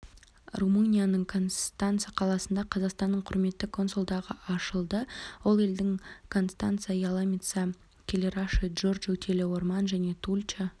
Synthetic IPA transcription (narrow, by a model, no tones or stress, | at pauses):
rumunʲijanəɴkʰo̞nst̪ant̪sɨjaqʰɑlˠɑsənd̪ɑqʰɑzɑqst̪ɑnːəɴqʰʊɾme̞t̪ːɪkʰo̞nsulˠd̪ɑʁəɑʃəlˠd̪əwo̞lˠe̞ld̪ɪŋkʰo̞nst̪a̰nt̪sɨijajalˠamʲit̪sə | kʲʰele̞ɾɑʃəʒo̞rd͡ʒɵkt̪ʰelɪwo̞ɾmɑnʒæne̞t̪ʰulʲt͡ʃə